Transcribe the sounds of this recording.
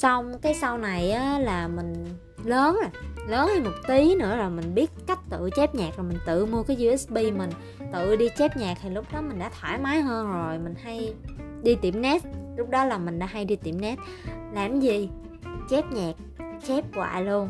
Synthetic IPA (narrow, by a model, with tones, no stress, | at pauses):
sɔ˧wŋ͡mkaː˨˦jsa˧wna˨˩jʔaː˨˦laː˨˩mï˨˩ŋ̟ | ləː˨˦n˨˩ləː˨˦nha˧jmo˨˩k͡p̚t̪i˨˦nɨ̰˧˥əzo˨˩jmï˨˩ŋ̟ɓi˦˥ət̚ka˦˥k̟̚t̪ɨ̰˧˨t͡ɕɛ˦˥p̚ɲaː˨˩k̚zoː˨˩jmï˨˩ŋ̟t̪ɨ̰˧˨mu˧əkaː˨˦jzi˧ʔɛ˦˥sɓi˧mï˨˩ŋ̟ | t̪ɨ̰˧˨ɗi˧t͡ɕɛ˦˥p̚ɲaː˨˩k̚t̪ʰi˨˩lʊ˦˥k͡p̚ɗɔ˨˦mï˨˩ŋ̟ɗa̰ː˧˥t̪ʰwaː˧˩jmaː˨˦jɦəː˧nzo˨˩jmï˨˩ŋ̟ha˧j | ɗi˧t̪i˧˩mnɛ˦˥t̚lʊ˦˥k͡p̚ɗɔ˨˦laː˨˩mï˨˩ŋ̟ɗa̰ː˧˦ɦa˧jɗi˧t̪ḭ˧˩mnɛ˦˥t̚ | laː˨˩mzi˨˩ | t͡ɕɛ˦˥p̚ɲaː˨˩k̚t͡ɕɛ˦˥p̚kwa̰ː˧˨lu˧ən